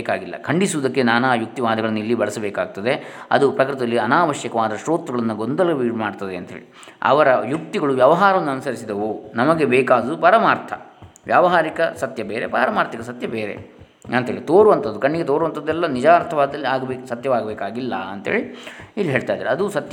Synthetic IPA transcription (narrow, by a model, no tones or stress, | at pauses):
ekaːɡilːɐ̰kʰɐɳɖisuʋud̪ɐkːe̞naːnaːjuk̚t̪iʋaːd̪ɐɡɐɭɐnːɐilːibɐɭɐsɐbeːkaːɡ̚t̪ɐd̪e̞ɐ̰d̪upɾɐkɾit̪ɐlːiɐnaːʋɐʃjɐkɐʋaːd̪ɐʃɾoːt̪uɡɐɭɐnːɐɡond̪ɐlɐɐʋiːɽmaːɽɖt̪ɐd̪eɐnt̪ɐɦḛːɭi | ɐ̰ʋɐɾɐjuk̚t̪iɡɐɭuʋjɐʋɐɦaːɾɐʋɐnːuɐnusɐɾisid̪ɐʋonɐmɐɡe̞beːkaːd̪upɐɾɐmaːɾt̪ʰɐ̰ | ʋjaːʋɐɦaːɾikɐsɐt̪jɐbeːɾepɐːɾɐmaːɾt̪ʰɐkɐsɐt̪jɐbeːɾe̞̰ | ɐnt̪ɦeːɭit̪oːɾuʋɐnt̪ʰɐd̪ːukɐɳːiɡet̪oːɾuʋɐnt̪ʰɐd̪ːɛlːɐnid͡ʒaːɾt̪ʰɐʋaːd̪ɐlːiaːɡbeksɐt̪jɐʋaːɡɐbeːkaːɡilːɐ̰ɐnt̪ɐɦeːɭiilːiɦeːɭt̪ajd̪aːɾɐd̪usɐt̪j